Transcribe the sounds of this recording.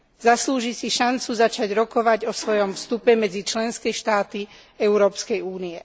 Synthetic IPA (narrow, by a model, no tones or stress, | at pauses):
zasluːʒisiʃant͡suzat͡ʃaɟɾɔkɔʋaɟɔsʋɔjɔmfst̪upɛmɛd͡zit͡ʃlɛnskɛʃt̪aːt̪i | ɛʊɾɔːpskɛjuːniɛ